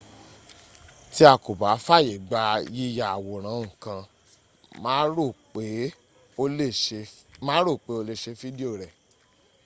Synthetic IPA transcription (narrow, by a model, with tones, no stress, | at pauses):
ti˧˦a˧˨ko˨ba˨˦fa˦˨je˨ɡ͡ba˧ji˧ja˨a˨wo˨ɾ̃ã˨˦˨kã˧ | mã˦o˦˨k͡pe˨˦ | o˧˦e˧mãː˦ɾo˦˨k͡pe˨˦o˧le˧ʃe˧fi˦di˦o˦˨ɾɛ˨